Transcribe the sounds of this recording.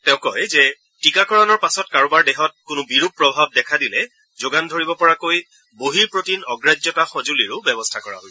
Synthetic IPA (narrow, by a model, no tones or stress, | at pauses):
tɛʊ̃kɔjzɛ | tikakɔɹɔnɔɹpasɔtkaɹɔbaɹdɛɦɔt̚kʊnʊbiɹupːɹɔbʱab̚dɛkʰadilɛ | zoɡandʱoɹibɔpɔɹakoj | boɦiɹpɹotinɔɡɹad͡ʒɔtaxɔzuliɹʊbɛbɔstʰakɔɹa̰ɦoj